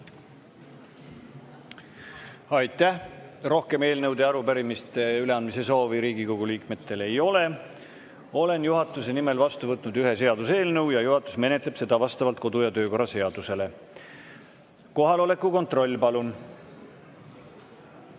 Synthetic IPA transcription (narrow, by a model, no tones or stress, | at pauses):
ɑjt̪ːˑæhro̞hke̞me̞ːlnɤwd̪eɑɾupæɾimist̪eyle̞ɑnd̪̚mise̞so̞ːviɾiːɡikoɡ̥uliːkme̞t̪ːe̞le̞jo̞le̞ | o̞le̞njuɦɑt̪ːˑuse̞nime̞lvɑst̪uvɤt̪ːˑnud̪yɦe̞se̞ɑd̪̥use̞ːlnɤwjɑjuɦɑt̪ːˑu̥sme̞net̪ˑle̞b̥se̞d̪ɑvɑst̪ɑvɑlt̪̚ko̞d̪ujɑt̪øːko̞rɑse̞ɑd̪̥use̞le̞ | ko̞ɦɑlo̞le̞kːˑuko̞nt̪ro̞lʲːpɑlun